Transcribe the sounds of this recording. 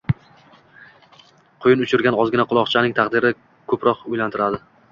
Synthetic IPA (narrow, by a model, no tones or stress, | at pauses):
qʰʊjɪnʊt͡ʃʰʊɾɡʲanɒzɡʲɪnaqʰʊlˠɒqt͡ʃʰanɪŋt̪ʰaqd̪ɪɾɪ | kʰɵpɾɒqʊjlant̪ʰɪɾad̪ɪ